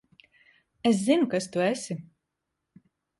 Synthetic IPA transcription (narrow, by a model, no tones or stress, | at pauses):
ɛs̬zinukast̪uɛsʲi